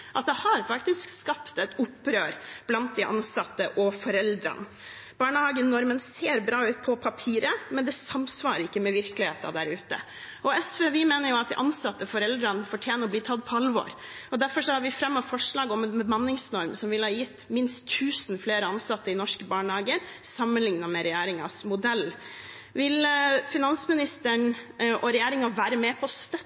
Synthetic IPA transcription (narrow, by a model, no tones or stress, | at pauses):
ʔɑt̪̚d̪ɛhɑɾfɑkt̪ɪskskɑpt̪ɛt̪ʊpːɾøːɾb̥lɑnt̪̚d̪ɪʔɑ̰nsɑt̪ːəʔɔfɔɾɛld̪ɾɑ̰n | b̥ɑːɳəhɑːɡənɔɾmənseːɾbɾɑːʉːt̪̚pʰɔpʰɑpʰiːɾəmɛnd̪ɛsɑmsʋɑːɾəɾɪkːəmɛʋɪɾklɪheːt̪ɑ̰d̪æɾʉːt̪ə̰ | ɔɛsfeːʋɪmeːnəɾjʊɑt̪̚d̪ɪʔɑnsɑt̪ːəfɔɾɛld̪ɾɑnfɔʈʰjeːnəɔbliːt̪ʰɑd̪ːpʰɔɑlʋɔ̰ɾ | ɔd̪æɾfɔʂɔhɑɾʋɪfɾɛmːɔʋfɔʂɭɑːɡɔmɛbmɑnːɪŋsnɔɾmsɔmʋɪlhɑːjɪt̪ːmɪnst̪ʰːʉːsn̩fleːɾəɑnsɑt̪ːəɪnɔʂkəbɑːɳhɑːɡəɾ | sɑmːənlɪŋnɑmɛɾɛjæːɾɪŋɑ̰smʊd̪ɛlː | ʋɪlfɪnɑnsmɪnɪst̪əɳʔɔɾɛjæːɾɪŋɑʋæːɾəmɛːpʰɔst̪œ